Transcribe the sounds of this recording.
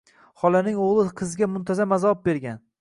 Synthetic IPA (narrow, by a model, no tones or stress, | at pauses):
hɒlanɪŋoʁlˠɪqʰɨzɡʲamʊnt̪ʰazamazɒɒɒp̚beɾɡʲan